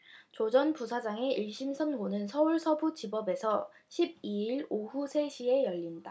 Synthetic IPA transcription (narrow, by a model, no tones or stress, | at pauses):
t͡ɕod͡ʑʌnpusʰad͡ʑaŋe̞ʔiɭɕ͈ʰimsʰʌnɡonɯnsʰʌuɭsʰʌbut͡ɕibʌbe̞sʰʌ | ɕʰib̚iiɭoɦusʰe̞ɕʰie̞jʌʎːinda